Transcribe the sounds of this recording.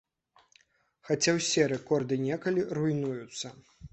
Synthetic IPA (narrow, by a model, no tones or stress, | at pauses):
xat͡sʲawsʲɛɾɛkɔrd̪ɨnʲɛkɐlʲirujnujut̪sːɐ